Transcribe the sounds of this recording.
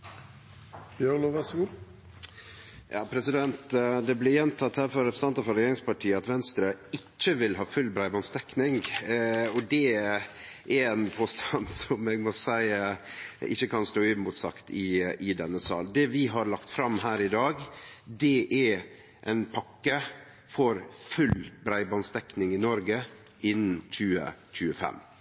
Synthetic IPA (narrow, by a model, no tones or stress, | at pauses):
b̥jøʁnoʋæsɡu | jɑ̰ːpʰɾɛsɪd̪ɛnt̪d̪ɛblɪɾjɛnt̪ʰɑt̪hæːɾfɔɾɛpɾst̪ɑnt̪ɑfɔɾɛjeːɾɪŋspɑʈʰiːəɑt̪ʋɛnst̪ɾəɪt͡ʃːəʋɪlɦɑːfʉlbɾæɪbɑnst̪ɛknɪŋ | ɔd̪ɛ | ʔɛɾɛnpʰoːst̪ʰɑnsɔmɛɡmɔsæɪ | ɪ̰çːəkʰɑnst̪oːymut̪sɑkt̪ʰɪɪd̪ɛnːəsɑ̰ːld̪ɛʋɪɦɑɾlɑkt̪fɾɑmɦæːɾɪd̪ɑːɡd̪ɛʔɛɾ | ʔɛɪnpʰɑkːə | fɔɾfʉlbɾæɪbɑnst̪ɛknɪŋɪnɔɾɡə | ɪnːn̩c͡çʉːə̰c͡çʉːəfɛ̰m